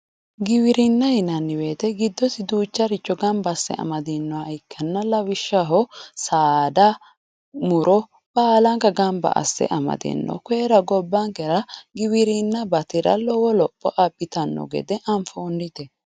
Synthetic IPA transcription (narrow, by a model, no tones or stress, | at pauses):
ɡɪwɪɾɪnːɐhɪnɐnːɪweːt̪ɛɡɪd̪ːɔsɪd̪uːt͡ʃːɐɾɪt͡ʃːɔɡɐmbɐsːɛ̰ʔɐ̰mɐd̪ɛnːɔaɪkʰːɐnːɐlɐwɪʃːɐɦɔsaːd̪ɐ | mʊɾɔ | b̥aːlɐŋkɐɡɐmbɐ̰ʔɐ̰sːɛ̰ʔɐmɐ̰d̪ɛ̰nːɔ̰keːɾɐɡɔbːɐŋkɛɾɐɡɪwɪɾɪnːɐbɐt̪ɪɾɐ̰lɔwɔlɔpʼːɔʔɐbːɪt̪ɐnːɔ̰ɡɛ̰d̪ɛʔɐɱfoːnːɪt̪ɛ